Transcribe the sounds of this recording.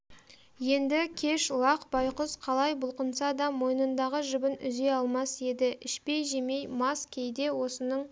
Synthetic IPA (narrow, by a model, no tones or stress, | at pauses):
je̞nd̪ɪkʲʰe̞ʃlˠɑqbɑjqəsqʰɑlˠɑjbʊlˠqənsɑd̪ɑmo̞jnənd̪ɑʁəʒʏbɪnʏze̞ɑlˠmɑse̞d̪ɪʔɪʃpe̞jʒe̞me̞jmɑskʲʰe̞jd̪e̞wo̞sənəɴ